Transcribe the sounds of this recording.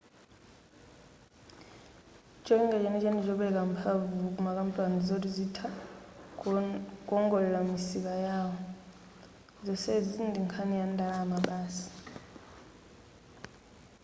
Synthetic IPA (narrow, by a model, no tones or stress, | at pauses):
t͡ʃʼɔiŋɡat͡ʃɛnɛt͡ʃɛndid͡ʒɔɓɛk̬ampʰavuk̬ʼumak̬ʼampʼanizot̬uzitʰa | k̬ʼɔŋɡɔlɛlamisikajaːwɔ | zɔsɛd͡zindiŋkʰanijandʱalaːmaɓaːsi̥